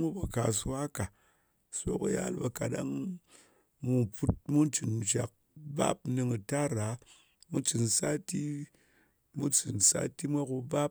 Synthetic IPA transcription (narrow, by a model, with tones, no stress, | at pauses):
mu˦ba˨ka˨su˧wa˦ka˨ | so̰˦kṵ˨ja̰˦lba˧ka˨ɗa̰˦ŋ | mu˧pu˦t̚mu˦n˦t͡ʃɨ˨n˨t͡ʃa˨k̚ | ba̰˦p̚nɨ˧ŋɨ˨ta˦ɾa˨˦ | mu˦t͡ʃɨ˨nsa˦ti˦ | mu˦t͡ʃɨ˨nsa̰˦ti˦mʷa˦ku˧ba˦p̚